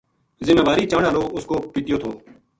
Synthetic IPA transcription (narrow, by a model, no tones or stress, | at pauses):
zɪmeːd̪aːɾiːt͡ʃãːɳaːloːʊskoːpiːt̪ɪjoːt̪ʰoː